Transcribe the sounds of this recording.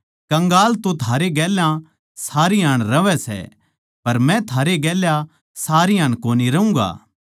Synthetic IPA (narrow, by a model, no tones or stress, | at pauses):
kɐ̃ŋɡaːlt̪õt̪ʰaːɾeɡɛːlã | saːɾiɦaːɽ̃ɾɐʋɛsɛ̰ | pɐɾmɛ̃t̪ʰaːɾeɡɛːlja | saːɾiaːɽ̃koːniɾɐũːɡa̰ː